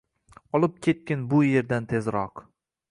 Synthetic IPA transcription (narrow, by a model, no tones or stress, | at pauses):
ɒlˠɪp̚kʲʰe̞t̪̚kʲanbʊje̞ɾd̪ant̪ʰe̞zɾɒq